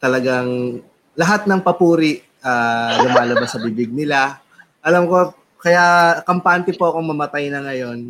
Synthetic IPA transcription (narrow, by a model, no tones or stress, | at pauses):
t̪ɐlɐɡaŋ | lɐɦat̪̚nɐŋpɐpuːɾɪʔ | aːlʊmaːlɐbɐsɐbibɪɡ̚nɪla | ʔɐlamko̞ | kɐjaʔkɐmpant̪ɪpoʔɐko̞mɐmɐt̪ajnɐŋɐjo̞n